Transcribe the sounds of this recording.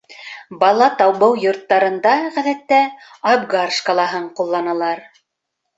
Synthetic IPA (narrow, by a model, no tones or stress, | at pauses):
bɑlˠɑt̪ɑwβɤwjŏɾt̪ːɑɾɤ̆nd̪ɑʁæðæt̪ːæɑbɡarʃkɑlˠɑɦɤɴqulˠːɑnɑlˠɑɾ